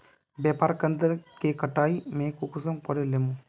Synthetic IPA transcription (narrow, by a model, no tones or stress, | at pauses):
bjaːpaːɾkənd̪əɾkekəʈaːimẽːkukʊs̬əmpɔɾelemũː